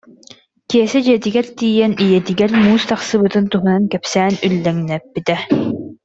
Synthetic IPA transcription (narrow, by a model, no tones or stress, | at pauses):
kiɛsɛd͡ʑiɛt̪iɡɛɾt̪iːjɛnijɛt̪iɡɛɾmuːst̪aχsɯbɯt̪ɯnt̪uɦunankɛpsɛːnylːɛŋnɛpːit̪ɛ